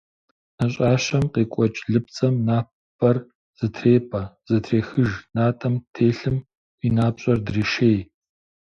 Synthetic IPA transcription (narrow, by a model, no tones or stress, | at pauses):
nɐɕʼaːɕɐmqeːkʷʼɔt͡ʃʼɮɨp̚t͡sʼɐmnaːpʰ | ɐr | z̥ɨtʰreːpʼɐz̥ɐtʰreːxɨʒnaːtʼɐmtʰeːɬɨm | inaːpɕʼɐrdriːʃeːj